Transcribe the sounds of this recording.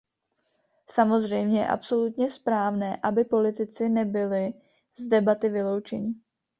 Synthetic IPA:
samo̞zr̝ɛjmɲɛjɛ̰ʔa̰pso̞lut̪ɲɛspɾaːvnɛːʔabɪpo̞lɪt̪ɪt͡sɪnɛbɪlɪ | zdɛbat̪ɪvɪlo̞wt͡ʃɛɲɪ

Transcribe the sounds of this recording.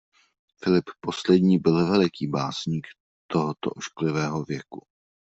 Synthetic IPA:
fɪlɪpːo̞slɛd̪ɲiːbɪlvɛlɪkiːbaːsɲiːk | t̪oɦot̪o̰ʔoʃklɪvɛːɦovjɛku

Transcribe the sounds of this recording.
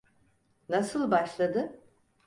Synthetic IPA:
nasɯlˠbaʃlˠad̪ɯ

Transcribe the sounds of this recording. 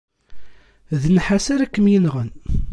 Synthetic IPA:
ðənħasaɾækːəmjinʁən

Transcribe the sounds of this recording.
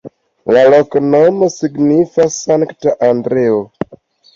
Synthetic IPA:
laloknomosiɡnifasaŋktaʔandɾeo

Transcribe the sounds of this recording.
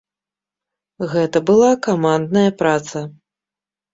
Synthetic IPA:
ɣɛt̪ɐbɨlˠakamand̪nɐjɐpɾat̪sɐ

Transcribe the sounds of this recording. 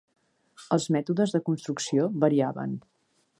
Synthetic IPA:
əlˠzmɛt̪uðəzðəkunst̪ɾuksioβəɾiaβə̰n

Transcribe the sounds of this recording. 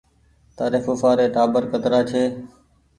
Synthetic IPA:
t̪aːɾeːfoːfaːɾeːʈaːbəɾkət̪ɾaːt͡ʃʰeː

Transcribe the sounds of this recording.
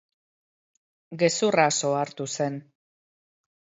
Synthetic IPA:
ɡe̞suraso̞aɾt̪use̞n

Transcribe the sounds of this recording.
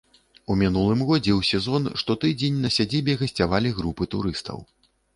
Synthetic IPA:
umʲinulˠɨmɣɔd͡zʲɛwsʲɛzɔnʂt̪ɔt̪ɨd͡zʲenʲnɐsʲad͡zʲibʲɛɣɐsʲt͡sʲavalʲiɣɾupɨt̪ṵɾɨst̪ʰɐ̰w

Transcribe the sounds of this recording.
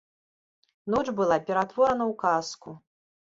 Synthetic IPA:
nɔt͡ʂbɨlˠapʲɛɾat̪vɔɾɐnɐwkasku

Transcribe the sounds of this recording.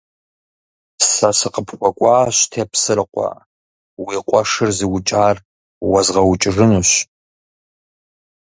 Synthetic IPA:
sasɨqəpʰχʷɔkʷʼɑːɕtʰeːpsɨrɨqʷa̰ | wiːqʷʼɔʂɨrziwʊt͡ʃʼaːr | wɐzʁɐwʊt͡ʃʼɪʐɨnuɕ

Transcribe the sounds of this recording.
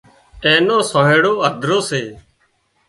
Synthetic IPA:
eːnoːsõːɦẽːɽoːəd̪ʱɾoːseː

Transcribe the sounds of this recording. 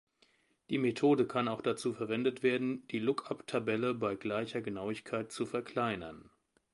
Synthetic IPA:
d̥iːmetʰoːdəkʰanaʊxd̥at͡suːfɛɐvɛndətv̥eːɐdn̩d̥iːlʊkaptʰabɛləbaɪɡlaɪçɐɡənaʊɪçkʰaɪt̚t͡sufɛɐkʰl̥aɪnɐn

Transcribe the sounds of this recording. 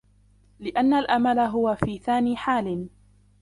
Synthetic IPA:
lɪʔanːalʔamalaɦʊwafiːθaːniːħaːlɪn

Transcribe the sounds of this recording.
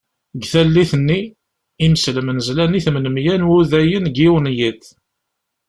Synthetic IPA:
ɡθælːiθənːi | iməsləmənzlæniθmənəmjænwuðæjənɡiwənjit̪

